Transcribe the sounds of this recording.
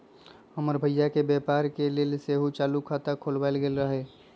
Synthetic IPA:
həməɾbʱəjːakebjepaɾkelelseɦut͡ʃalukʰat̪əkʰolbaɪlɡelɾəɦɛ

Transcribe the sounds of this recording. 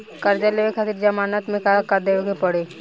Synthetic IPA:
kɐɾd͡ʒəleʋekʰaːt̪iɾd͡ʒɐmaːnət̪mẽkakad̪eokepɐɽeː

